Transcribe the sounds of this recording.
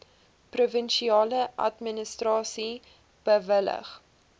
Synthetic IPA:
pruvənʃiɑːləʔɐ̰tmənəstrɑːsi | b̥əvələ̰χ

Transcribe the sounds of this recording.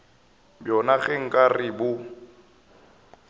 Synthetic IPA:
bjɔnaɣɛŋ̩kʼarɪbʊ

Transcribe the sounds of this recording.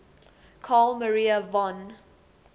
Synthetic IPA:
kʰɔlməɹiəvɔ̃n

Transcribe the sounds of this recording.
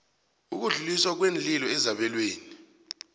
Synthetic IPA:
uk̬uɮuliswak̬wend͡ɮilɔɛzaɓɛlweːni

